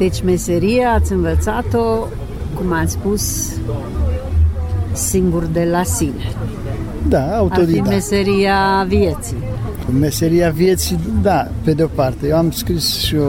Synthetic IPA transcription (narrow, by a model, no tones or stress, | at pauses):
d̪̥et͡ʃmeseɾieat̪sʲɨnvət̪sat̪o | kumaspus | iŋɡurd̪elasine | d̪aawtat̪od̪iimeseɾiaviet̪si | meseɾiavjet̪sid̪a | ped̪eopart̪ejewamskɾisʃio